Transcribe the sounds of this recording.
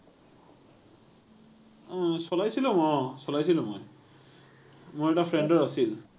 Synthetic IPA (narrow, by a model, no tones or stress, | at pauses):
sɔlajsilʊ̃mɔsɔlajsilʊ̃moj | mʊɹɛtafʰɹɛndɔɹasil